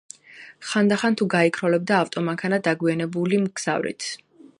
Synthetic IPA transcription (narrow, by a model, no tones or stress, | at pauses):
χand̪aχant̪ʰuɡaikʰɾɔlɛb̚d̪aːft̪ʼɔmaŋkʰanad̪aɡwianɛbulimɡz̥a̰vɾḭt̪ʰ